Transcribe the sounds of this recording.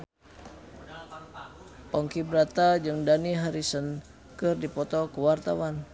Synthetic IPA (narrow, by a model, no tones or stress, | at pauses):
pɔŋkibɾat̪ad͡ʒɨŋdaniɦaɾisən | kɨrdipɔt̪ɔkəwart̪awan